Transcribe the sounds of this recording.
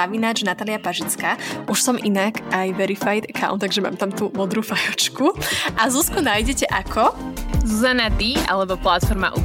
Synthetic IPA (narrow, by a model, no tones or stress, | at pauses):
aʋinaːt͡ʃnat̪aːliapaʒit͡skaːʔuʃsɔmʔinakajʋɛɾifajd̪ɛkʰa̰ʊnt̪ːaɡʒɛma̰ːmt̪amt̪umɔd̪ɾuːfajɔt͡ʃkuʔazuskunajɟɛcɛʔakʰɔzuzanad̪iʔa̰lɛbɔplat̪fɔɾma̰ʔṵ